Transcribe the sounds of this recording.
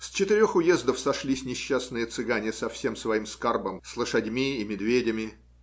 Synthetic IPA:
st͡ɕɪt̪ɪɾʲoxʊjezd̪əfsɐʂlʲisʲnʲɪɕːasnɨjət̪sɨɡanʲɪsɐfsʲe̞msvɐimskarbəmslˠəʂɐdʲmʲiːmʲɪd̪vʲedʲɪmʲɪ

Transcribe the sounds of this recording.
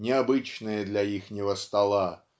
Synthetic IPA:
nʲɪabɨt͡ɕnɨjəd̪lʲɐixnʲɪvəst̪alˠa

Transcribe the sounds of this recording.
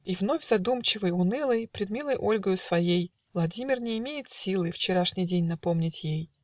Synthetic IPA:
ivno̞vʲzɐd̪umt͡ɕɪvɨjʊnɨlˠɨjpɾʲɪd̪mʲilˠəjʔo̞lʲɡəjʊsvɐjej | vlˠɐdʲimʲɪrnʲɪːmʲejɪt̪sʲilˠɨft͡ɕɪɾaʂnʲijdʲenʲnɐpo̞mnʲɪtʲjej

